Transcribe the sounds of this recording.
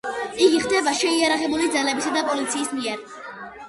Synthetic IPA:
iɡiχd̪ɛbaʃɛiaɾaʁɛbulid̪zalɛbisad̪apʼɔlit̪sʰiːsmiɛɾ

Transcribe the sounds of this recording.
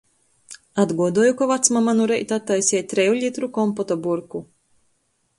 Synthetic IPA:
ad̪ɡuɔd̪uɔjukavat̪smamanuɾɛjt̪at̪ːajsʲɛt̪̚t̪ɾɛjuʎʲit̪ɾukɔmpɔt̪ɔbuɾku

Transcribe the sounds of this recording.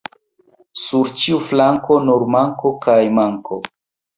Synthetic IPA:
suɾt͡ʃiuflaŋko̞nuɾmaŋko̞kajmaŋkʰo̰

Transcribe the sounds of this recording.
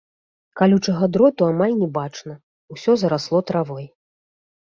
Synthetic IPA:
kalʲut͡ʂɐɣad̪ɾɔt̪uamalʲnʲɛbat͡ʂnɐ | usʲɔzɐɾaslˠɔt̪ɾavɔj

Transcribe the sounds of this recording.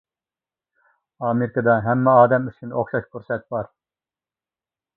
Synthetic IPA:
ɑmeɾɪkɑd̪ɑɦɛmːɛɑːd̪ɛmyst͡ʃʰinoχʃɑʃkʰuɾsɛt̪̚bɑɾ

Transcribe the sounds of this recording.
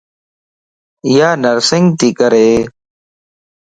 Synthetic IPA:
jaːnəɾsɪŋɡt̪iːkəɾeː

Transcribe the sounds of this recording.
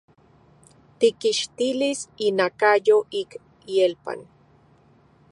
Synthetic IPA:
t̪ikiʃt̪ilisinakajoʔik | ielpa̰n

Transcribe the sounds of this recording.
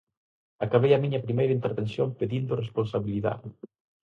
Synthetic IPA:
akaβejɐmiɲɐpɾimejɾɐint̪eɾβensjompeðind̪ʊresponsaβiliða̰ð

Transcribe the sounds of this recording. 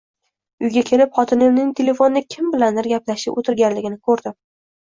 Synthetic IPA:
ʊjɡʲakʲʰe̞lɪpχɒt̪ʰɪnɪmnɪŋt̪ʰe̞le̞fo̞nɪɪkʲʰɪmbɪland̪ɪɾɡʲaplaʃɪpot̪ʰɪɾɡʲanlɪɡʲɪnɪkʰɵɾd̪ɪm

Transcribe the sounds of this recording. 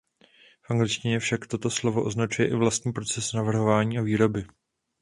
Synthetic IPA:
fʔaŋɡlɪt͡ʃcɪɲɛfʃakt̪o̞t̪o̞slo̞vo̞ʔo̞znat͡ʃujɛʔɪvlast̪ɲiːpɾo̞t͡sɛsnavr̩ɦovaːɲiːʔaviːɾo̞bɪ

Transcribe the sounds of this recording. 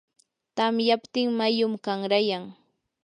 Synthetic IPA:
t̪amjapt̪ɪŋmajʊmkaŋɾajaŋ

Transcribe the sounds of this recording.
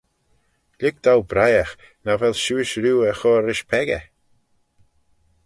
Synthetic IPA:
lɪk̚d̪̥awbɾajax | navɛlʃuːɪʃɾuːəxɔːɾɪʃpʰɛɡə̰

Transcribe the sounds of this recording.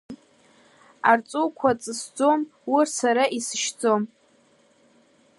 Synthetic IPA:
art͡sʼuwkʷʰat͡sʼɨsd͡zo̞mwirsaɾaʔisɨʃd͡zo̞m

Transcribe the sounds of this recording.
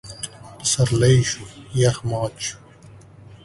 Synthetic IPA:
sɐɾlɐjɕujɐxmɑːt̪ɕu̥

